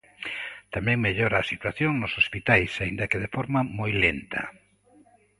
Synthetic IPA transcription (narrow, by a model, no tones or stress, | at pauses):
t̪amɛ̃ŋmeʎoɾaːsit̪waθjoŋnʊsospit̪ajsaĩnd̪ɐkeð̞efɔɾmamojlent̪ʰɐ̰